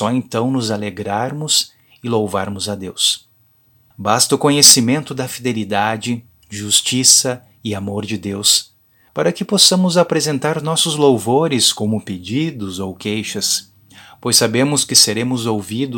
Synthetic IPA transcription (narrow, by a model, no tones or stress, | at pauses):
sɔẽnt̪ɐ̃w̃nʊzaleɡɾaɾmʊs | ɪlowva̰ɾmʊzɐd̪ews | bast̪ɐʊkõɲesimẽnt̪ʊd̪ɐfid̪elid̪ad͡ʒɪ | ʒust͡ʃisɐ | ɪamoɾd͡ʒɪd̪ews | paɾɐkɪposɐ̃mʊzapɾezẽnt̪aɾnɔsʊzlowvoɾɪskõmʊped͡ʒid̪ʊzowkejʃɐs | pojsabẽmʊskɪseɾẽmʊzowvid̪ʊ